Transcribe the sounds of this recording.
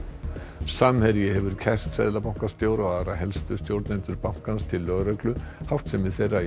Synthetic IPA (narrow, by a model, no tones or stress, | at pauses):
samhɛɾjɪhɛvʏɾ̥cʰɛr̥t̪sɛ̰ðlapawŋ̥kast̪joːwɾaaðɾaɦɛlst̪ʏst̪jowɾt̪nent̪ʏɾpawŋ̥kanst̪ʰɪlːœɣɾœklʏhawft̪sɛmvɪðθejrːa